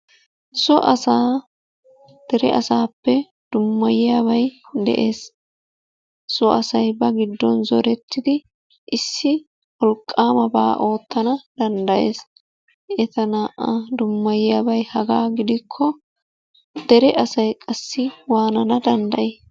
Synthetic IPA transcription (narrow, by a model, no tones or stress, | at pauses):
sɔʔɐsaː | d̪̥ɛɾɛʔɐsaːpːɛ | d̪̥ʊmːɐjɪjaːβɐjd̪ɛ̰ʔeːs | sɔʔɐsɐjbɐɡɪd̪ːɔnzɔ̰ɾɛt̪ːɪd̪ɪ | ʔɪsːɪ | wɔlkʼːaːmɐba̰ːʔo̞ːt̪ːɐnɐd̪̥ɐnd̪ɐje̞̰ːs | ɛt̪ɐnaːʔad̪ʊmːɐjjaːbɐjhɐɡaːɡɪd̪ɪkʰːɔ | d̪ɛɾɛʔɐsɐjkʼɐsːɪwaːnɐnɐd̪ɐnd̪ɐʔeː